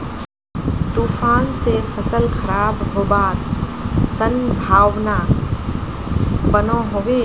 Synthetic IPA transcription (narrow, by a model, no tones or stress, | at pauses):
t̪ufaːnsepʰəsəlkʰɐɾaːbɦoːbaːt̪sənbʱaːʋnaː | bənõɦoʋeː